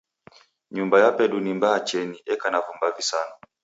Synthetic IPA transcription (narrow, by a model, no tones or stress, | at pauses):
ɲumbajapɛɗunimbaːt͡ʃɛniʔɛkanavumbavisanɔ